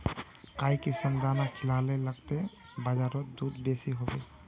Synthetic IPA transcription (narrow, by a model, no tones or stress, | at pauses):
kajkisimd̪anakʰilaleləɡt̪e | bad͡ʒaɾɔt̪̚d̪ud̪besiɦobe